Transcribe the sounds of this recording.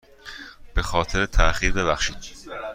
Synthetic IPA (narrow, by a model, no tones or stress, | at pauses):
b̥e̞xɒːt̪ʰe̞ɾet̪ʰæxiːɾbe̞βæxʃiːd̪̥